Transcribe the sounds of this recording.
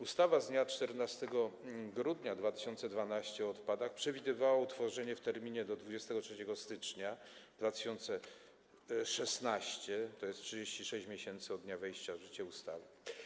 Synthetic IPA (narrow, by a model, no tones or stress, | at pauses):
ust̪avazd̪ɲat͡ʂt̪ɛɾnast̪ɛɡɔɡɾud̪ɲad̪vat̪ɘ̥ɕɔnt̪sɛd̪vanaɕt͡ɕɛɔt̪pad̪axpʂɛvʲid̪ɘvawaut̪fɔʐɛɲɛft̪ɛɾmʲiɲɛd̪ɔd̪vud͡ʑɛst̪ɛɡɔtʂɛt͡ɕɛɡɔst̪ɘt͡ʂɲa | d̪vat̪ɘ̥ɕɔnt̪sɛ | ʂɛsnaɕt͡ɕɛt̪ɔjɛstʂɘd͡ʑeɕt͡ɕiʂɛɕt͡ɕmʲjeɕɛnt̪sɨɔd̪ɲavɛjɕt͡ɕaʐɘt͡ɕɛust̪a̰vɘ